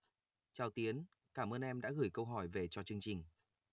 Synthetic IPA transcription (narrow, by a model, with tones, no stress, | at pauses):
t͡ɕaː˨˩wt̪i˨˦ən | kaː˧˩mʔəː˧nʔɛ˧mɗa̰ː˧˥ɣɨ˧˩jkə˧wɦɔ˧˩jve˨˩t͡ɕɔ˧t͡ɕɨ˧əŋt͡ɕï˨˩ŋ̟